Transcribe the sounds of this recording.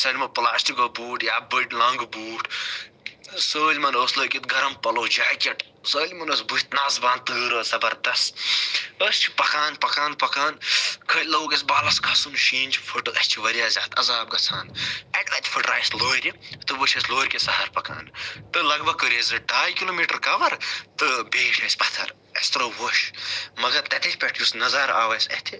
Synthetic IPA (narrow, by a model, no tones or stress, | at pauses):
sɐlʲmɐplaːstiɡobuːʈjaːbɨʈlɐŋɡbuːʈ | səːlʲmɐnoːslɐːkʲit̪ɡɐɾɐmpɐloːd͡ʒaːkʲɐʈ | səːlʲmɐnoːsbu̥t̪naːzbãːnt̪ɨːɾəːsɐbɐɾd̪ɐs | əst͡ʃʰi̥pɐkaːnpɐkaːnpɐkaːnkʰɐtʲlɐːwkʲɐs̬bɐːlɐskʰɐsunʃeːnd͡ʒfʰuʈɨɐst͡ʃʰiʋɐɾʲjaːzʲaːt̪ʰɐzaːb̚ɡɐt͡sʰaːnɐʈlɐːt̪ʰʲfʰuʈɾaːjsloːɾʲit̪ɨʋəʃɐsloːɾʲkʲesɐɦɐɾpɐka̰ːnt̪ɨlɐɡbɐkəɾʲezɨɖaːjkiloːmiːʈɐɾkɐʋɐɾt̪ɨbeːʈʰɐːsʲbɐt̪ʰɐ̰ɾ | ɐst̪ɾoʋoʃmɐɡɐɾt̪ɐt̪ʰɐkʰʲpʲɛʈʰjusnɐzɐɾa̰ːʋɐsʲɐ̰ht̪ʰi